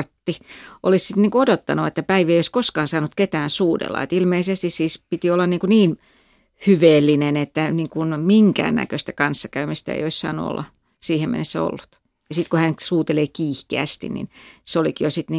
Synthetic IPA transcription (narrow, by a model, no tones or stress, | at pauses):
rt̪ːiʔolissit̪niːŋkuodot̪ːɑ̰nuet̪ːæpæiʋieijoiskoskɑːnsɑːnut̪ket̪æːnsuːdḛlːɑ̰et̪ilmeisest̪issiːspit̪iolːɑnniːŋkuniːn | hyʋeːlːinenet̪ːæniːŋkunmiŋkæ̰ːnːæ̰køst̪ækɑnsːɑkæymist̪æ̰ḛijoissɑ̰ːnṵo̰lːɑ̰ | siːhemmḛnesːæ̰o̰lːut̪ | jɑsit̪kuhænsuːt̪eleːkiːhkeæ̰st̪ḭnḭnseolikijosit̪niː